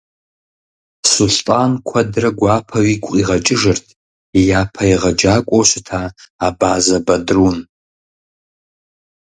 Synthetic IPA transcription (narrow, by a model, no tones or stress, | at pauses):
sulɬʼtʼankʷʰɐdrɐɡʷaːpʰɐɥikʷʼqʼiʁɐt͡ʃʼɪʐɨrtʰ | japʰɐiʁɐd͡ʒaːkʷʼowɕʷɪtʰaːbaːzɐbɐdrun